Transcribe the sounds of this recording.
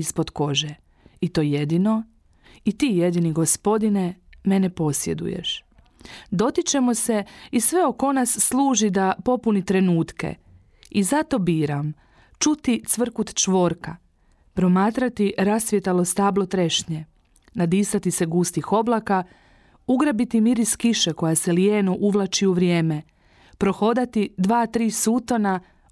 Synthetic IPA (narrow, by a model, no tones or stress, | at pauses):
ispo̞d̪ko̞ʒe | it̪o̞ːje̞d̪ino̞ | it̪iːje̞d̪iniɡo̞spo̞d̪ine̞me̞nepo̞sje̞d̪ṵje̞̰ʃ | d̪o̞t̪it͡ʃe̞mose̞isʋe̞o̞ko̞nasːlˠuːʒid̪apo̞punit̪ɾe̞nuːt̪ke̞̰ | izat̪o̞biːɾam | t͡ʃut̪it̪sʋr̩kut̪t͡ʃʋo̞ːɾka | pɾo̞maːt̪ɾat̪iɾasʋjet̪alo̞st̪aːblˠot̪ɾeʃɲe | nad̪iːsat̪ise̞ɡuːst̪ixo̞blˠaka | uɡɾabit̪imiɾiskiʃeko̞jaseljeːnoʔuʋlˠat͡ʃiuʋɾjeːme | pɾo̞xo̞d̪at̪id̪ʋaːt̪ɾiːsuːt̪o̞na